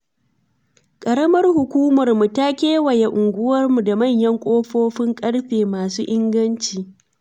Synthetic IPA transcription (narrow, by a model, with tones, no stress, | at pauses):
kʼɐ˨ɽɐ˦mɐ˦rhʊ˨kʷuː˦mɐ˨rmu˨ta˦kʲeː˦wɐ˨je˨ʔʊ˨ŋɡʷʊ˦wɐ˦rmu˨da˨mɐ˦˨ɲjɐ˦ŋkʷʼoː˦ɸoː˦ɸɪ˦ŋkʼɐ˦ɽɸeː˨maː˨suː˦ʔɪ˦ŋɡɐ˦nt͡ʃiː˨